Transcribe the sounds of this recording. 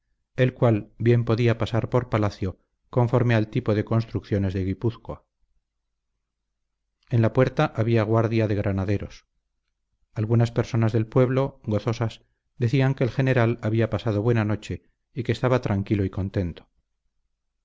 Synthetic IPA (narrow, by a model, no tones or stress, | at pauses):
e̞lkwalbje̞mpo̞ðiapasaɾpo̞ɾpalaθjo̞ | ko̞ɱfo̞ɾme̞alt̪ipo̞ðe̞ko̞nst̪ɾukθjo̞ne̞zðeɣipuθka̰ | e̞nlapweɾt̪aʔaβ̞iaɣ̞waɾðjaðe̞ɣɾʔanaðe̞ɾo̞s | alɣunaspe̞ɾso̞nazðe̞lpwe̞βlo̞ɣo̞θo̞sas | d̪e̞θiaŋke̞ːlxe̞ne̞ɾalaβiapasað̞o̞βwe̞nano̞t͡ʃe | ike̞ːst̪aβat̪ɾaŋkilo̞iko̞nt̪e̞nt̪o̥